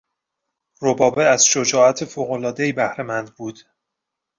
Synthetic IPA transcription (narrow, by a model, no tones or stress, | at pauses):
robɒːbeæz̥ʃod͡ʒɒːæt̪ʰefoːɣolɒːd̪ejibæhɾe̞mænd̪buːd̪̥